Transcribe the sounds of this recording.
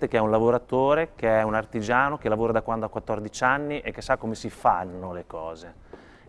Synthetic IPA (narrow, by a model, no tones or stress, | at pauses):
t̪ekeɛunlavoɾat̪ːoːɾekeɛunart̪id͡ʒaːnok̟elavoːɾad̪akwand̪oakwat̪ːɔrd̪it͡ʃanːiʔekːesːakːomesifanːolekɔːze